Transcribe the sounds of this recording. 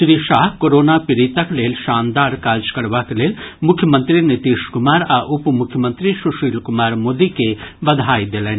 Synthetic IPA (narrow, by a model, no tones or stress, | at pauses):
ʃɾiʃaːɦkoɾoːnapiɾit̪əkleːlʃaːnd̪aːɾkaːd͡ʒkɐɾʋakeleːlmʊkʰjəmə̃nt̪ɾinit̪iːʃkʊmaːɾaʔʊpmʊkʰjəmə̃nt̪ɾiʃuʃiːlkʊmaːɾmoːd̪ikebɐd̪ʱaːjd̪elɛːn